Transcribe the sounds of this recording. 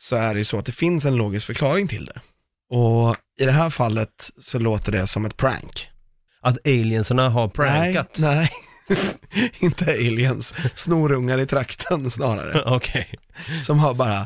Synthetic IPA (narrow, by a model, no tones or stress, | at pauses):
sɔæɖɛjɵsɔat̪̚d̪ɛfɪnsɛnloːɡɪskfœɾkʰlɑːɾɪŋt̪ʰɪ̰ld̪ɛ̰ | ɔ | ɪd̪ɛɦæːɾfalːət̪sɔloːt̪əɖɛsɔmɛt̪̚pʰɾæ̰ŋk | ʔat̪ɛjlɪənsəɳaɦaɾpʰɾænŋat̪nɛɪ | ɪnt̪əelɪənsːnuːɾɵŋːaɾɪt̪ʰɾakt̪ʰənsnɑːɾa̰ɾə̰ɔkʰɛsɔmɦaɾbɑːɾa